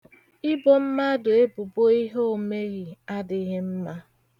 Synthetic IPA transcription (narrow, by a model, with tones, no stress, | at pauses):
ɪ˦bo˨m̩˦ma˦dʊ˨e˦bʊ˨bo˦i˦ɦo˨me˦ɾi˨a˦dɪ˨˦ɣɪ˦m̩˦ma˦